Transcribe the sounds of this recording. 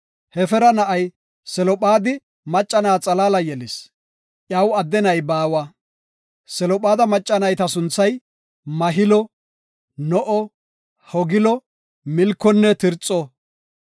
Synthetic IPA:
hɛfɛɾɐnɐʔɐj | sɛlɔpʼaːd̪ɪ | mɐt͡ʃʼːɐnaːt͡sʼɐlaːlɐjɛlɪs | ʔjɐwɐd̪ːɛnɐjbaːwɐ | sɛlɔpʼaːd̪ɐmɐt͡ʃʼːɐnɐjt̪ɐsʊnt͡sːɐj | mɐɦɪlɔ | nɔʔɔ | hɔɡɪlɔ | mɪlkːɔnːɛt̪ɪɾt͡sʼːɔ

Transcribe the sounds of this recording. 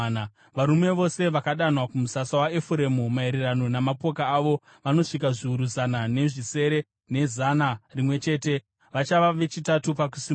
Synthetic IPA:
n | ʋaɾume̞ʋo̞se̞ʋakaɗanwakumusasawaefuɾemumaiɾirano̞namapo̞kaːʋo̞ | ʋano̞ʂikaʐiuɾuzanane̞ʐise̞ɾe | ne̞zanarimwe̞t͡ʃe̞ːte̞ | ʋat͡ʃaʋaʋe̞t͡ʃitatupak̬usi

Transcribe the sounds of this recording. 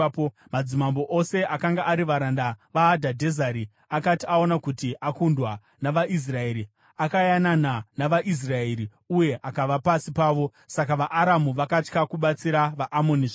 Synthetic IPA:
pomad͡zimambo̞ʔose̞ʔakaŋɡaʔaɾiʋaɾandaʋaːdʱadʱe̞zaɾi | akatiao̞nakutiʔakundwa | naʋaʔis̬rae̞ɾi | akajanananaʋaʔis̬raeɾi | uje̞ʔakaʋapasipaːʋo̞sakaʋaʔːɾamuʋakat͡ʃkakuɓat͡siɾaʋaʔːmo̞niʐ

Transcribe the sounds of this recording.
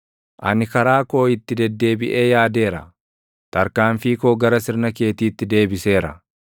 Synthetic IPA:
ʔɐnɪkɐɾaːko̞ːɪt̪ːɪd̪ɛd̪ːe̞ːbɪʔe̞ːjaːd̪e̞ːɾɐ̰ | t̪ɐɾkaːnfiːkoːɡɐɾɐsɪɾnɐke̞ːt̪iːt̪ːɪd̪e̞ːbɪse̞ːɾɐ̰

